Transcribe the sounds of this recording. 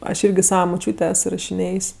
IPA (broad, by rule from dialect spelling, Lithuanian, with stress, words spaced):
ɐʃ ˈɪrʲɡʲɪ ˈsɑːʋɐ mʊˈt͡ʃʲuːtʲeː ˈɛs ɪrɐʃʲɪˈnʲeːjsʲ